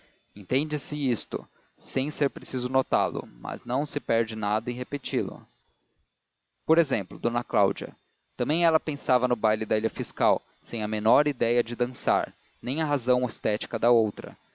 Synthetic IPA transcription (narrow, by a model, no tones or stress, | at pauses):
ẽnt̪ẽnd͡ʒɪsɪist̪ʊ̰ | sẽj̃seɾpɾesizʊnot̪alʊ̰mɐ̰znɐ̃w̃sɪpɛɾd͡ʒɪnad̪ɐẽɦepet͡ʃilʊ̰ | poɾezẽmplʊd̪onɐklawd͡ʒiɐ̰ | t̪ɐ̃mẽj̃ɛlɐpẽsavɐnʊbajlɪd̪ailɐfiskaw | sẽj̃ɐmenɔɾid̪ɛjɐd͡ʒɪd̪ɐ̃sa̰ɾ | nẽj̃ɐɦazɐ̃w̃est̪ɛt͡ʃi̥kɐd̪ɐowt̪ɾɐ̰